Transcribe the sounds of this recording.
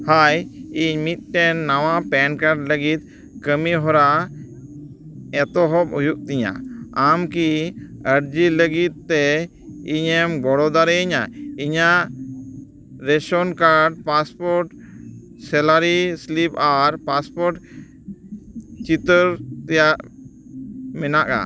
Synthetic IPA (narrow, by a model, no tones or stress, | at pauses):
hajiɲmit̪̚ʈɛnːawãpɛnkaɾɖləɡit̪̚ | kəmiɦɔɾa | ɛt̪ɔɦɔbujuk̚t̪iɲa̰amkiəɾd͡ʒiləɡit̪̚ːɛ | iɲɛmɡɔɽɔd̪aɾɛiɲa̰iɲa | ɾɛʃɔnkaɾɖpaspɔɾʈ | sɛlaɾislipʰaɾpaspɔɾʈ | t͡ʃit̪əɾt̪ɛjaʔ | mɛnaʔa̰